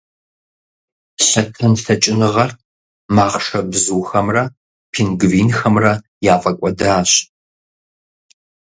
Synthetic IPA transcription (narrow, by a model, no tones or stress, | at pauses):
ɬɐtʰɨnɬɐt͡ʃʼɪnɨʁɐrt | maːχʂɐbzuːxɐmrɐ | pʰiːnɡviːnxɐmrɐ | jaːfʼɐkʷʼɔdaːɕ